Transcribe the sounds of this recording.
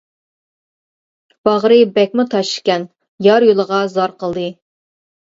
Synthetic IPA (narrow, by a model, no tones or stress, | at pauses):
b̥ɑʁɾɨbɛk̚ʲmʊt̪ʰɑʃkʲɛn | jɑɾjolˠəʁɑzɑɾqəlˠd̪ɨ